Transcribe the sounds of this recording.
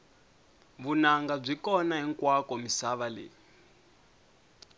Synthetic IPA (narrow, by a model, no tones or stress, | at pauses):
βunaŋɡab͡ʐʷikɔnaɦiŋkwakɔmisaβalḛː